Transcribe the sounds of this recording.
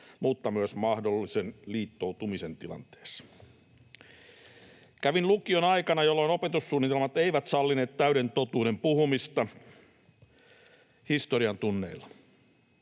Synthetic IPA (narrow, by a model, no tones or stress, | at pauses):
muːt̪ːɑmyøsmɑhdolːisenliːt̪ːowt̪umisent̪ilɑ̰nt̪e̥ːsɑ̥ | kæʋinlukionɑikɑnɑjolːoinopet̪usːuːnːit̪elmɑt̪eiʋæt̪sɑlːine̞ːt̪t̪æyɾe̞nt̪ot̪uːɾempuhumist̪ɑ | hist̪oɾiɑnt̪unːḛilːɑ